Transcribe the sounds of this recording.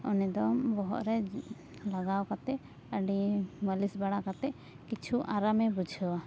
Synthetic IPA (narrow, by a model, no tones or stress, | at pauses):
ɔnɛd̪ɔmbɔɦɔ̰ʔɾɛ | laɡawkat̪ɛ | əɖiməlisbaɽakat̪ɛʔ | kit͡ʃʰuʔaɾamɛbud͡ʒʱəwa